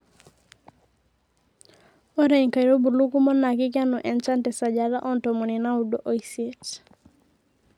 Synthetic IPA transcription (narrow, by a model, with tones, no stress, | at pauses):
ɔ˦ɾɛ˨ɲka˨iɾo˦bu˨lu˦ku˦mɔ˦na˨kɪ˦k̬ja˦nɔ˨ʔɛ˨nt͡ʃa˦ntɛ˨sa˨d͡ʒa˨ɾa˦ʔɔ˦n˨tɔ˨mu˨ni˨na˦u˨do˦ʔo˦i˨se˦t